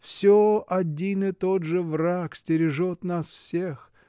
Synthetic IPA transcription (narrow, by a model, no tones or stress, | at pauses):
fsʲoɐdʲinɨt̪od̪ʐɨvraksʲtʲɪɾʲɪʐot̪nasfsʲex